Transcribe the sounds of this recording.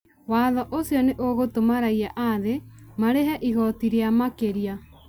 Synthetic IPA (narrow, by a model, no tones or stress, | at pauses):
waːðɔʔosiɔneʔoɣotomaɾaiaʔaðemaɾeɦɛʔiɣɔtiɾeamakeɾia